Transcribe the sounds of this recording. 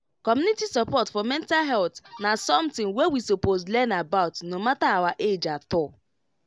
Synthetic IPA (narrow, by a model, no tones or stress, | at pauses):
kɔmjunitisapɔtfɔmɛntalɦɛltnasɔmtɪ̃ŋwewisopozlɛnabaʊtnomataawaʔed͡ʒatɔ